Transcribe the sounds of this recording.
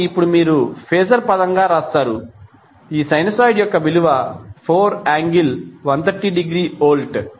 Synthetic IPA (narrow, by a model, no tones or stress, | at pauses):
ipːuɽumiːɾupʰeːsɐɾpɐd̪ɐŋɡaːɾaːst̪aːɾu | iːsɐjnɐsaːjɖjɔkːɐbiluʋɐpʰoːɾaːŋɡilʋɐnt̪ʰɐɾʈiːɖiɡɾiːoːlʈ